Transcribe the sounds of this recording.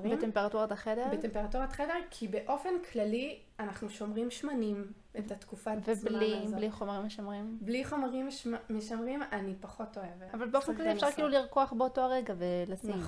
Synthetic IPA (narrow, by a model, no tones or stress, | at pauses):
betempeʁatuʁataχede̞bʁet̪empeʁatuʁatχede̞ʁkʰibe̞ʔo̞fe̞nkʰlali | anaχnuʃo̞mʁimʃmanim | et̪at̪kufaveblibliχomaʁimːeʃamʁimbliχo̞maʁimʃmaːeʃamʁimanipaχo̞to̞e̞vavalbeofenklaliefʃaʁkiːluliʁkoaχbeoto̞aʁeɡavelasiχ